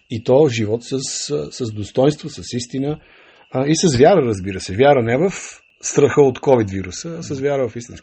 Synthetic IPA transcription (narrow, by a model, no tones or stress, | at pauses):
it̪ɔʒivɔt̪səsːəzd̪ost̪ɔjnst̪vosəsist̪inə | isəzvjaɾəɾəzbiɾəsɛvʲjaɾənɛvəf | st̪ɾəxəot̪kɔvid̪viɾusəːsəzvʲjaɾəvɐfist̪ĩnsk